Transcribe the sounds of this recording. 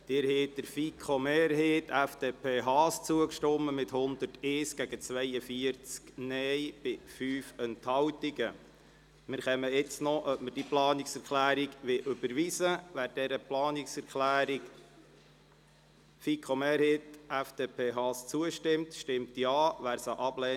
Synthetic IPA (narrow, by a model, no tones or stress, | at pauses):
d̥ɪɾheːt̚d̥əɾfikʰχomeːɾɦeːtʰæfd̥̪epʰeːɦɑːst͡suəkʃtʊmːəmɪthʊnd̪əteːsɡ̥æɡət͡sʋɛjəfiəɾt͡sknɛjb̥ɪfyːfɛnthɑwtiɡə | mɪɾχɛməɪt͡snɔʔœpməɾd̥iplɑːniksɛɾklæːɾiɡʋɪʔʏb̥əɾʋisəʋæːɾd̥ɛɾəplɑːniksɛɾklæːɾi | fikʰomeːɾheːt̪æfd̥eːpʰeːɦɑːst͡suəʃtɪmtʃtɪmt̪jɑːʋæːɾsɑʔɑblɛː